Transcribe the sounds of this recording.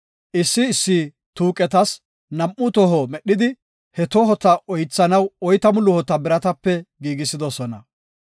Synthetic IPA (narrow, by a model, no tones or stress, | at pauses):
ʔɪsːɪːsːi | t̪uːkʼɛt̪ɐs | nɐmʔːʊt̪ɔɦɔmɛɗɪd̪ɪ | hɛt̪oɦɔt̪ːɐʔɔjt͡sːɐnɐwɔjt̪ɐmʊlʊhɔt̪ːɐbɪɾɐt̪ɐpːɛɡiːɡɪsɪd̪ɔsɔnɐ